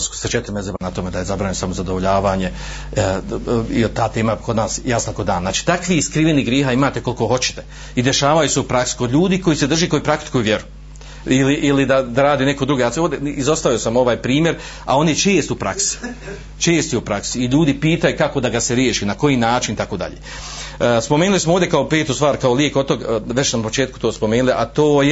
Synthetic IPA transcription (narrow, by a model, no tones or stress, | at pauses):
sko̥set͡ʃet̪ɪɾimezebanat̪o̞med̪ajezabɾaːɲisamozad̪o̞ʋoʎaːʋaːɲe̞ | iot̪ːaːt̪e̞ːmakod̪naːsjasnoko̞d̪aːnnaːt͡ʃi̥ːt̪akʋiiskɾiʋeniɡɾjeɦaːimaːt̪e̞ko̞lko̞ho̞t͡ɕɪ̥t̪e̞ | id̪e̞ʃaːʋajuse̞upɾaksi̥ko̞d̪ʎʲuːd̪iːko̞jised̪r̩ʒiːko̞jupɾak̚t̪i̥kujʋjeɾu | iliʔilid̪ad̪aɾaːd̪ine̞kod̪ɾuɡeaod̪ʲeizost̪aʋiosamo̞ʋaːjpɾiːmje̞ɾ | a̰o̞nit͡ʃeːst̪upɾa̰ksi̥ | t͡ʃeːst̪iupɾaksiːʎuːd̪ipiːt̪ajukako̞d̪aɡaseɾjeːʃiːnako̞jiːnaːt͡ʃinit̪akoːd̪a̰ʎḛː | spomeːnulismooːvd̪ʲekao̞pe̞ːt̪ust̪ʋaːɾkaolie̞kot̪oɡʋe̞t͡ʃnapot͡ʃe̞ːt̪ku̥t̪oːspo̞meːnuliʔat̪oːj